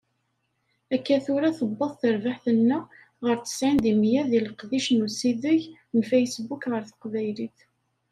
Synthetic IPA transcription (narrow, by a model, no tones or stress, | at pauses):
ækːæθʊɾaθəbːɑðˤθəɾvaħθənːæ | ʁəɾt͡sə̥sʕind̪imjæðiləqðiʃnusiðəʝ | nfæjsbukʁəɾθə̥qvæjliθ